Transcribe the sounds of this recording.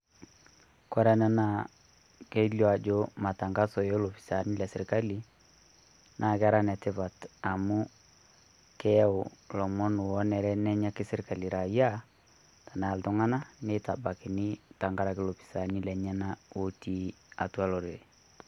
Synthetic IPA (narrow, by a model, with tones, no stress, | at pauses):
kɔ˦ɾa˦na˦na˦˨ | ke˦ljɔ˦˨a˨d͡ʒo˦ma˨ta˨ŋɡa˦sɔ˨jo˦lo˨pi̥˨sa˨ni˦lɛ˨sɪ˨ɾka˦li˦ | nʔa˨kɛ˦a˦ɾa˦nɛ˨tɪ˦pa˨ta˨mʊ˦ | kɛ˦ʊ˨lɔ˨mɔ˦nʊ˨wɔ˦nɛ˨ɾɛ˦nɛ˦ɲa˦kɪ˦sɪ˦ɾka˨li˨ɾa˨ja˦ | ta˨na˨ltʊ˦ŋa˦na˦ne˦ta˨ba˨kɪ˨nɪ˦ta˨ŋɡa˦ɾa˨kɪ˦lo˨pi̥˨sa˨ni˦lɛ˨ɲɛ˦na˦o˦ti˦a˨twa˦lo˨ɾe˨